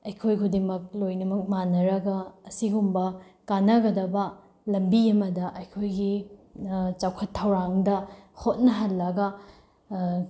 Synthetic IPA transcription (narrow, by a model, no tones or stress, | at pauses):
ɐjkʰojkʰudimɐk̚lojnɐmɐk̚manɐɾɐɡɐːsiɡumbɐkanɐɡɐdɐbɐ | lɐmbiɐmɐdɐʔɐjkʰojɡi | t͡ʃawkʰɐtʰːɐwɾaŋdɐhot̚nɐɦɐlːɐɡɐ